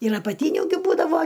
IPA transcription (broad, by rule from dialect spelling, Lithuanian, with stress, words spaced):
ɪr ɐpɐˈtʲiːnʲʊ ɡʲɪ ˈbuːdɐʋoː